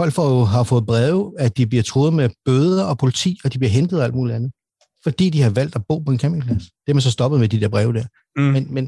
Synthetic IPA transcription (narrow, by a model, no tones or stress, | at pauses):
fɒ̽l̰ɡ̥fɒjoɦɑ̈fɔ̽ːð̩ˠb̥ʁɛːʊæd̥ib̥liɐt͡sʰʁoːð̞̩ˠmeb̥øːð̞ˠɐɒ̽pʰo̝lit͡sʰḭːɒ̽d̥ib̥liɐɦend̥ð̩ˠæl̰d̥muːliænð̩ˠ | fɒ̽d̥ḭːd̥ihɑ̈ʋæl̰d̥æb̥ɔ̰ːpɒ̽e̝nkʰæmbeŋpʰlæsd̥e̝ɐmæns̬ɒsd̥ɒ̽b̥əðˠmed̥id̥ɛɐ̰b̥ʁɛːʊd̥æɐ | menmen